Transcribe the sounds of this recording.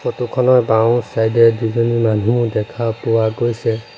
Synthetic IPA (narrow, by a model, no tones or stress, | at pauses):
pɔtukʰɔnɔjbaw̃sajdɛduzɔnimanumũdɛkʰapʊwaɡojsɛ